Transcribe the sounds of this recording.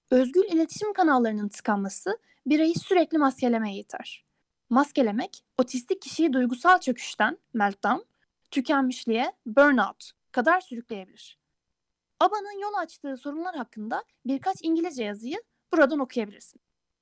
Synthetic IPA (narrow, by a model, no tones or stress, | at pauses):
ø̞zɟylʲilʲe̞t̪ʰi̥ʃimkʰanalˠːaɾɯnɯnt̪ʰɯ̥kʰanmasɯ | biɾajɯsyɾɛclʲimasce̞lʲe̞me̞jɛjat̪ʰa̰ɾ̥ | masce̞lʲe̞mɛc | o̞t̪ʰist̪ʰic̚ʰːiʃijid̪ujɡusalˠt͡ʃʰø̞cʰy̥ʃt̪ʰænmælʲt̪̚an | t̪ʰycʰænmiʃlʲijɛbøɾnawt̪ | kʰad̪aɾsyɾycʲlʲe̞je̞bilʲiɾ̝̥ | abanɯnjo̞lˠat͡ʃt̪ʰɯːso̞ɾumlˠaɾɦakːɯnd̪a | biɾkʰat͡ʃiɲɟilʲizɛjazɯjɯ | b̥uɾad̪ano̞kʰujabilʲḭɾsi̥n